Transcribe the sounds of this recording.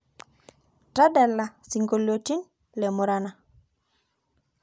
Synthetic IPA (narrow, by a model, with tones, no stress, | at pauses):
ta˦da˨lːasiŋɡolːoti˦n | le˨mu˨ɾana˨